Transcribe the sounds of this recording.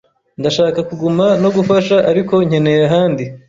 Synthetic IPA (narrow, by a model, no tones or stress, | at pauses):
ndaʃaːkakuɡumano̞ɡufaʃaʔaɾiko̞ɲ̥he̞ne̞ɾaɦaːndi